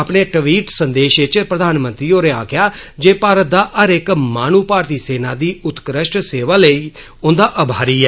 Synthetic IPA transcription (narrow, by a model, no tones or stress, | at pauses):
apɳeːʈəʋiːʈsənd̪eːʃʋɪt͡ʃpɾəd̪ʱaːnmə̃nt̪ɾiːoːneːa̰ːkʰɪjaːd͡ʒeːpaːɾət̪̚d̪aːʔəɾɪkmaːnuːpaːɾt̪iːseːnaːd̪iːʊt̪kɾəʃɳseːʋaːləiː | ʊnd̪aːʔəbʱaːɾiːɛː